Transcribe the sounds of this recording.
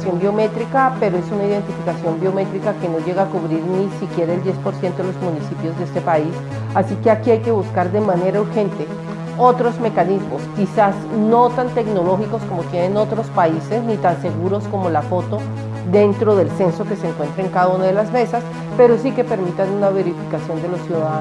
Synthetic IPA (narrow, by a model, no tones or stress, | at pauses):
sjo̞mbjo̞me̞t̪ɾikape̞ɾoe̞sunaiðe̞nt̪ifikasjo̞mbjo̞me̞t̪ɾikake̞no̞ʝe̞ɣaːkuβɾiɾnisikje̞ɾaeld̪je̞spo̞ɾsje̞nt̪oelo̞zmũnisipjo̞zd̪eest̪epais | asike̞akiajke̞βuskaɾd̪e̞mane̞ɾauɾxe̞nt̪e̞ | o̞t̪ɾo̞zme̞kanizmoskisazno̞t̪ant̪e̞ɡno̞lo̞xiko̞sko̞mo̞t̪je̞ne̞no̞t̪ɾo̞spaise̞znit̪anse̞ɣuɾo̞sko̞mo̞lafo̞t̪o̞ | d̪e̞nt̪ɾo̞ðe̞lse̞nso̞ke̞seːŋkwe̞nt̪ɾaeŋkaðaunaðe̞lazme̞sas | pe̞ɾo̞sike̞pe̞ɾmit̪anunaβe̞ɾifi̥kasjo̞nd̪e̞losjuðaa